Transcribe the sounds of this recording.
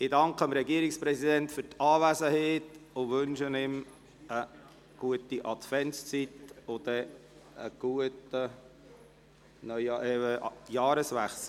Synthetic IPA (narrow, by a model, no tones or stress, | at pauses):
ɪdɑŋkʰəəmɾɛɡiəɾɪkspɾɛsidɛntfʏɾtɑːvæsəheːt̪ʊʋɵnʃənɪm | ə | ɡ̥uətiʔɑtfɛnst͡sitʊdɛ | ə̰ɡ̥uətə | nœʏɛəjɑːɾəsvæχs̩